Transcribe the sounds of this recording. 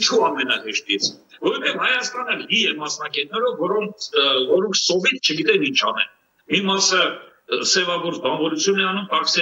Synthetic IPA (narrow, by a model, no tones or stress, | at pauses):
t͡ʃʰuɑmɛnɑɦɛʃt̪it͡sʰ | vɔɾt̪ʰɛvhɑjɑst̪ɑnəlɦijɛmɑsnɑɡɛt̪̚nɛɾɔvːɔɾɔŋkʰvɔɾɔŋkʰsɔvit̪t͡ʃʰəɡit̪ɛnint͡ʃʰɑnɛ̰n | mimɑsə | sɛvɑɡɔɾt͡sbɑnvɔɾut͡sʰjunɛɑnumk̪ɑɾksɛ